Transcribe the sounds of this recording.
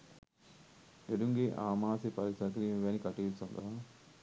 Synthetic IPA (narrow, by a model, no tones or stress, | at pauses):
eɽuŋɡiʔaːmaːsipɐɾisɐkɾimʋeːnikɐʈːiːlsɐnd̪ɐ